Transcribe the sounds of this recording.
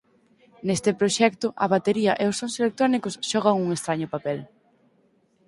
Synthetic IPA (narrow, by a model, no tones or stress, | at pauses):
nest̪ɪpɾoʃɛkt̪ʊʔɐβat̪eɾiɐʔeʊsõnselek̚t̪ɾonikʊsʃɔɣ̞ɐŋuŋest̪ɾaɲʊpapɛl